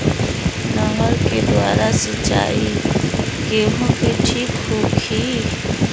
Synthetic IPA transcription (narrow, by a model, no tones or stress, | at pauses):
nəŋəɾked̪waːɾasət͡ʃa̰ːi | keɦũkeʈʰiːkɦoːkʰiː